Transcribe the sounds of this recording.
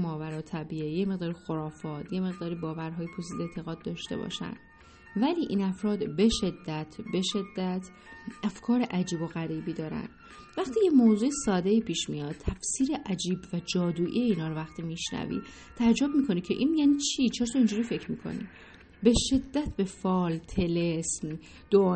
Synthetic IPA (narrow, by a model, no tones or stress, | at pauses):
mɒːvæɾɒːt̪ʰæbiːejeme̞ɣd̪ɒːɾixo̞ɾɒːfɒːt̪ʰje̞me̞ɣd̪ɒːɾiːbɒːvæɾɦɒːjepʰosiːd̪et̪ʰe̞ɣɒːd̪̚ːɒːʃt̪e̞̰bɒ̰ʃæ̰nd̪ | væliːʔiːnæfɾɒːd̪be̞ʃe̞d̪ːæt̪ʰbe̞ʃe̞d̪ːæt̪ʰ | ʔæfkʰɒːɾeʔæd͡ʒiːbo̞ɣæɾiːbiːd̪ɒːɾæ̰nd̪ | væxt̪ʰiːjemoːzuːesɒːd̪e̞ipʰiːʃmijɒːd̪̚t̪ʰæfsiːɾe̞ʔæd͡ʒiːbvæd͡ʒɒːd̪uːʔijeiːnhɒːɾovæxt̪ʰiːmiʃnæ̰vḭ | t̪ʰææd͡ʒːo̞b̚miːkʰo̞nicʰe̞ʔinjæːniːt͡ʃʰit͡ʃʰeɾɒt̪ʰɒind͡ʒuːɾiːfe̞cʰɾmiːkʰo̞̰nḭ | be̞ʃe̞d̪ːæt̪ʰbe̞fɒːlt̪ʰe̞lesm | d̪̥oː